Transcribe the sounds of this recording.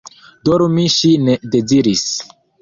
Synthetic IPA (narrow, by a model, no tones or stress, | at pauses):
doɾumiʃinede̞ziɾis